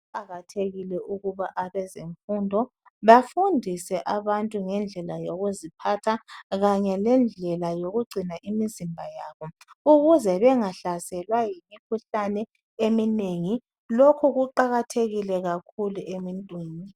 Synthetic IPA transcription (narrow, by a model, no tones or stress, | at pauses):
aɣatʰeɣilɛʔuɣuβaʔaβɛzeɱfundʱɔ | βafundʱisɛʔaβantʼuŋɛnd͡ɮʱɛlajoɣuzipʰatʰaɣaɲɛlɛnd͡ɮʱɛlajoɣuɡ͡ǀʱinaʔimizimbʱajaːβɔ | uɣuzɛβɛŋaɬasɛlwajimikʰuɬanɛ | emineŋi | lokʰuɣuǃaɣatʰeɣilɛɣakʰuluʔemintʼwiːni